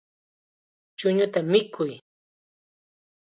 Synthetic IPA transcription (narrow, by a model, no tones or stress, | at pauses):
t͡ʃʊɲʊt̪amɪkʰʊj